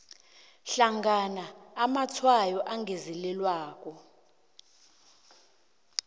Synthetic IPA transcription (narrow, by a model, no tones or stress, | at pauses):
ɬaŋɡʱanaːmat͡sʰwajɔʔaŋɡezilɛlwaːk̬ʼɔ